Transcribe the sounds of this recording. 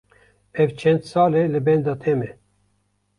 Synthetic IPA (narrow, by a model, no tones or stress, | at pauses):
ɛvt͡ʃʰɛnd̪sɑːlelɨbɛnd̪ɑːt̪ʰemɛ